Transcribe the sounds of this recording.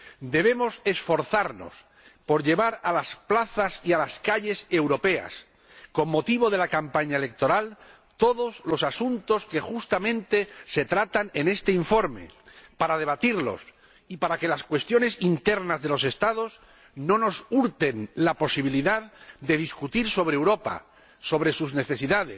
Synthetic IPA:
d̪e̞β̞e̞mo̞se̞sfo̞ɾθaɾno̞̰s | po̞ɾʎe̞β̞aɾalasplaθasialaskaʎe̞se̞wɾo̞pe̞a̰s | ko̞mːo̞t̪iβ̞o̞ðe̞lakampaɲaele̞k̚t̪o̞ɾal | t̪o̞ðo̞zlo̞sasunt̪o̞ske̞xust̪amẽ̞nt̪e̞se̞t̪ɾat̪ane̞ne̞st̪e̞iɱfo̞ɾme̞̰paɾað̞e̞β̞at̪iɾlo̞̰s | ipaɾake̞laskwe̞st̪jo̞ne̞sint̪e̞ɾnazðe̞lo̞se̞st̪að̞o̞s | no̞no̞suɾt̪e̞nlapo̞siβ̞iliðaðd̪e̞ðiskut̪iɾso̞β̞ɾeːwɾo̞pa̰ | so̞βɾe̞suzne̞θe̞siðaðes

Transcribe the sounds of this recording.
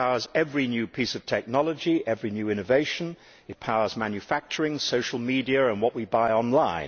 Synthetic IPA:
aʊə˞zɛvɹinjʉpʰisʌv̥tʰɛk̚nɑlˠəd͡ʒiʔɛvɹinjʉɪ̃ñɨveɪʃɨ̃n | ɨt̚pʰaʊə˞zmæ̃njʉfæk̚t͡ʃə˞ɪ̃ŋsoʊʃl̩ˠmidiɨə̃nwʌʔ̚wibaɪɑ̃nlãɪ̃n

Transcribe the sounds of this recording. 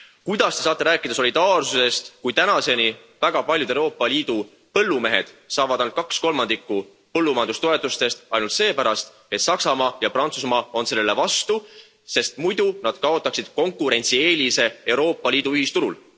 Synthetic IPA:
kujd̪̥ɑst̪e̞sɑːt̪ːˑeɾæːkːˑid̪̥ɑso̞lʲid̪̥ɑːrsuse̞st̪kujt̪ænɑse̞ni | væɡ̥ɑpɑljud̪̥eowɾo̞ːpːˑɑliːd̪̥u | pɤ̞lːume̞ɦe̞d̪̥sɑːvɑd̪ɑjnlt̪kɑksko̞lmɑnd̪̥ikːˑu | pɤlːumɑjɑnd̪ust̪o̞e̞t̪ːˑust̪e̞st̪ɑjnult̪se̞ːpæɾɑst̪ | e̞t̪sɑksɑmɑːjɑpɾɑnt̪susmɑːo̞nse̞lːele̞vɑst̪u | se̞st̪mujd̪unɑd̪̥kɑo̞t̪ːˑɑksid̪̥ko̞ŋkˑuɾe̞nʲt̪sie̞ːlʲise̞e̞wɾo̞ːpːˑɑliːd̪uyhist̪uɾul

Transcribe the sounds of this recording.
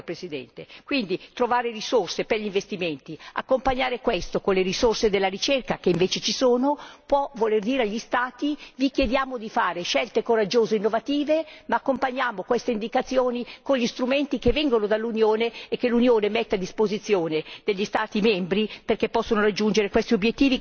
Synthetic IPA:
pɾesid̪ɛ̰nt̪ekwind̪it̪ɾovaːɾerisorseperʎiɱvest̪iment̪ia̰kːompaɲːaːɾekwest̪okonleɾisorsed̪elːaɾit͡ʃerkakeiɱveːt͡ʃet͡ʃisoːnopwɔvolerd̪iːɾeaʎːist̪aːt̪ivikjed̪jaːmod̪ifaːɾeʃɛlt̪ekoɾad͡ʒːoːzeinːovat̪iːvemaːkːompaɲːaːmokwest̪eind̪ikat̪sːjoːnikoɲʎist̪ɾument̪ikevːɛŋɡonod̪alːunjoːneːkːelunjoːnemɛt̪ːead̪ːispozit̪sjoːned̪eʎːist̪aːt̪imɛmbɾiperkepːɔsːonorad͡ʒːund͡ʒeɾekwest̪iobjet̪ːiːvi

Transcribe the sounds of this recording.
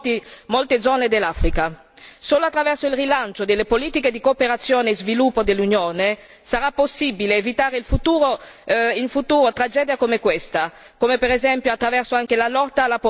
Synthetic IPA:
t̪imolt̪ed̪zɔːned̪elːafɾika | soːloat̪ːɾavɛrsoilrilant͡ʃod̪elːepoliːt̪iked̪ikoːpeɾat̪sːjoːnezvilupːod̪elːunjoːne | saɾapːosːibileːvit̪aːɾeilfut̪uːɾoilfut̪uːɾot̪ɾad͡ʒɛːd̪jakomekwest̪a | komepeɾezɛmpjoat̪ːɾavɛrsoaŋk̟elalɔt̪ːaːlːapo

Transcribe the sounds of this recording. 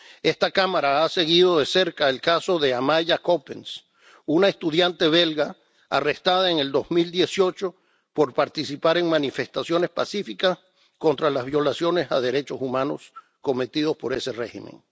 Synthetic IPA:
e̞st̪akamaɾaase̞ɣiðo̞ðe̞se̞ɾkaelkaso̞ðe̞amaʝako̞pens | unaest̪uðjant̪e̞β̞e̞lɣa̰ː | rest̪aðaeŋe̞ld̪o̞zmild̪je̞sjo̞t͡ʃo̞ | po̞ɾpaɾt̪isipaɾe̞ŋmanife̞st̪asjo̞ne̞spasifikas | ko̞nt̪ɾalazβjo̞lasjo̞ne̞sa̰ðe̞ɾe̞t͡ʃo̞sumãno̞̰s | ko̞me̞t̪iðo̞spo̞ɾe̞se̞re̞hḭmḛŋ

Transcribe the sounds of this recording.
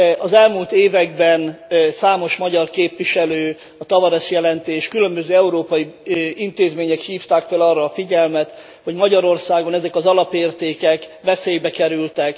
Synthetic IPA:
ɒzɛlmuːlt̪eːvɛɡbɛnsaːmo̞ʃmɒɟɒrkeːpʋiʃɛløː | ɒt̪ɒvɒɾɛʃjɛlɛnt̪eːʃkylø̞mbøzøːɛuɾoːpɒjiint̪eːzmeːɲɛkhiːft̪aːkfølɒːrːɒːfiɟɛlmɛt̪ | ho̞ɟmɒɟɒɾo̞rsaːɡonɛzɛkɒzɒlɒpeːrt̪eːkɛkvɛseːjbɛkɛɾylt̪ɛk

